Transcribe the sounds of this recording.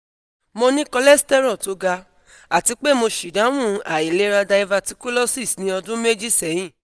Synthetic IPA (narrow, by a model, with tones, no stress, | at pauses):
mo˧nĩ˦kɔ˧lɛ˦stɛ˦ɾɔ˦˨to˨˧˦ɡa˧ | a˨ti˧˦k͡pe˦˨mo˧ʃi˨dã˨˦wũ˦˨a˨i˨le˦ɾa˧da˧i˧va˧ti˧ku˦lɔ˦si˦˨snĩ˧˦ɔ˧dũ˦me˦d͡ʒi˦sɛ˨˦j̃ĩ˦˨